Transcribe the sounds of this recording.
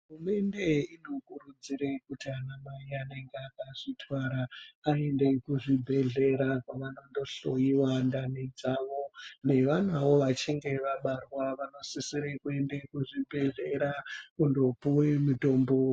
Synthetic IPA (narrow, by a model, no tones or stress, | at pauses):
rume̞nde̞ino̞kurud͡ziɾekutianamaiane̞ŋɡeakaʐ̥itʰwaɾaːe̞nde̞kuʐibʱe̞ɮe̞ɾakaʋanondo̞ɬojiwandanid͡zaʋo̞ne̞ʋan̤aʋo̞ʋat͡ʃiŋɡe̞ʋaɓarwaʋano̞sisiɾekuendekuʐibʱe̞ɮe̞ɾakundo̞puwemuto̞ːmbo̞